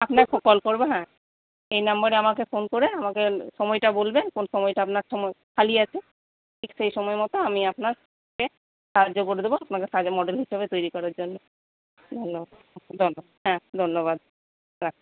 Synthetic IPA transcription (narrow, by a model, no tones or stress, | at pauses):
apnafʰokbɔlkoɾbeɦɛ̃ | ejnambaɾeamakefonkoɾeamakeʃɔmɔjʈabolbenkonʃɔmɔjʈaapnaɾʃɔmɔjkʰalieat͡ɕʰe | ʈʰikʃejʃɔmɔemɔt̪oamiapnaɾ | ke | ʃaɦad͡ʑokoɾed̪eboapnakeʃad͡ʑmɔɖelɦiʃebet̪ojɾikɔɾaɾd͡ʑonːo | d̪ʱonːobad̪ | d̪ʱonːobad̪ɦɛ̃d̪ʱonːoβad̪̚ | ɾakʰ